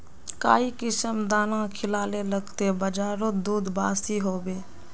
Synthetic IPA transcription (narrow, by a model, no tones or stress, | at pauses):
kaːikɪsəmd̪aːnãkʰɪlaːleləɡt̪ebəd͡ʒaːɾod̪uːd̪baːsiɦoːbeː